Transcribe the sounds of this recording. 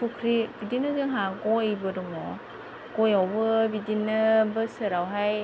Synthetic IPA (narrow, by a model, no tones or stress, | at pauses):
pʰukʰɾibidinɯzɯŋɦakɔjbɯdɔŋɔ | kɔjawbɯbidinːɯbɯsɯɾawɦaj